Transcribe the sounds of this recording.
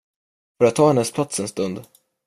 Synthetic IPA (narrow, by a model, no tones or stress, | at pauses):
fœɾat̪ʰːɑːhɛnːəspʰlat̪sɛnst̪ɵnd̪